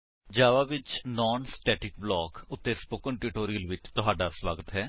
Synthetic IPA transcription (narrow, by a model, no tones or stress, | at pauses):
d͡ʒaːʋaːʋɪt͡ʃnɔːnsʈɛːʈɪk̚blɔːkʊt̪ːeːspoːkəɳʈɪʈoːɾijəlʋɪt͡ʃt̪ʊɦaːɖaːswaːɡət̪ɦɛː